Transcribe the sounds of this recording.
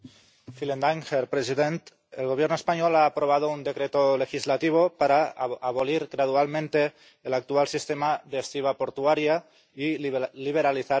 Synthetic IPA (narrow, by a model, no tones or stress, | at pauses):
filend̪aŋxeɾpɾesiðent̪ | ḛlɣoβjeɾnoespaɲolaːpɾoβaðound̪ekɾet̪olexizlat̪iβ̞opaɾaːβoliɾɣɾað̞ualmẽnt̪eː | lak̚t̪ualsist̪emaðeest̪iβ̞apoɾt̪uaɾja | iliβ̞eɾaliθa